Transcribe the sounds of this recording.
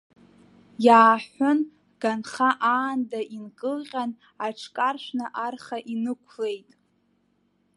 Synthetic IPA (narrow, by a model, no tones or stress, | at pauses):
jaːħʷʊn | ɡ̥anχaʔaːndaʔinkʼɨlqʲʼan | aʈ͡ʂʰkʼarʃʷnɨʔarχaʔinɨkʷʰle̞jtʼ